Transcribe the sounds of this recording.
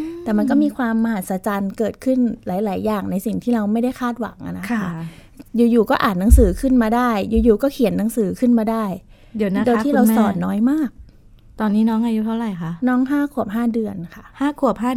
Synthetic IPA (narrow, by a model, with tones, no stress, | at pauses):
t̪ɛː˨˩ma˧nk̬ɔ˥˩miː˧kʰwaː˧mːa˧ha˨˩t̪̚sa˧t͡ɕaː˧nkɤː˨˩t̪̚kʰɯ˥˩nlaː˩˦jlaː˩˦jːaː˨˩ŋna˧jsi˨˩ŋt̪ʰiː˥˩ɾa˧wma˥˩jda˥˩jkʰaː˥˩t̪̚wa̰˩˦ŋʔa̰˨na˦kʰkʰa˥˩ | juː˨˩juː˨˩kɔː˥˩ʔaː˨˩t̪̚na˩˦ŋsɯː˩˦kʰɯ˥˩nmaː˧daː˥˩jjuː˨˩juː˨˩kɔː˥˩kʰi˨˩˦ənːa˩˦ŋsɯː˩˦kʰɯ˥˩nmaː˧daː˥˩j | dn˦˧doː˧jt̪ʰiː˥˩ɾa˧wsɔː˨˩˦nːɔː˦˥jmaː˥˩k̚ | t̪ɔː˧nːiː˦˥nɔː˦˥ŋʔa˧ju˦˥t̪ʰa˥˩wɾa˨˩jkʰa˦˥ʔnɔː˦˥ŋɦaː˥˩kʰu˨˩əp̚ɦaː˥˩dɯ˧ənkʰa˥˩ʔhaː˥˩kʰu˨˩əp̚ɦaː˥˩